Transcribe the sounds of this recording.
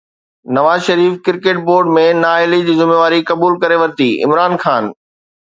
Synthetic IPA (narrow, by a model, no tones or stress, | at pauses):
nɐʋaːzʃɐɾiːfkɪɾkeːʈ̚boːɾɖmẽnaːɪlid͡ʑiːzɪmeːʋaːɾikɐbuːlkɐɾeʋɐɾt̪iːɪ̰mɾaːnxaːn